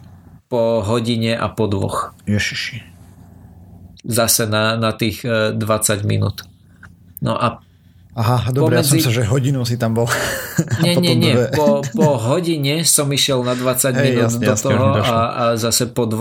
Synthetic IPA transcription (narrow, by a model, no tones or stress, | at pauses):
pɔɦɔɟiɲɛʔa̰pɔd̪ʋɔ̰xjɛʃi̥ʃi | zasɛnanat̪iːɣd̪ʋat͡saɟmḭnṵːt̪ | nɔ̰ʔa | aɦad̪ɔpɔɾɛɛd͡zsisʒɛɦɔɟinus̬it̪ambɔlɲɛɲɲɪɛɛpɔpɔɦɔɟiɲɛsɔmiʃɪɛlnad̪ʋat͡saɟmɛinuːd̪d̪ɔt̪ɔɦɔaazasɛpɔd̪ʋ